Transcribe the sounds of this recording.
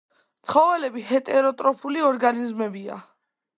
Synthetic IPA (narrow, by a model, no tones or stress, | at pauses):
t̪ʰχɔvɛlɛbiɦɛt̪ʼɛɾɔt̪ʼɾɔpʰuliɔɾɡanizmɛbia̰